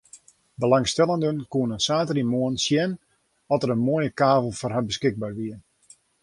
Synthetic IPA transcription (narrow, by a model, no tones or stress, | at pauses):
bəlaŋstɛlˠəndənkuənəsaːtərimoənsjɛn | ɔtərənmoəjəkaːvəl̩ˠfɔrɦabəskɪɡ̚barʋiən